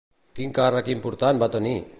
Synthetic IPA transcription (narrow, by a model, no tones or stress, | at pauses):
kiŋkaɾakimpuɾt̪anbat̪oni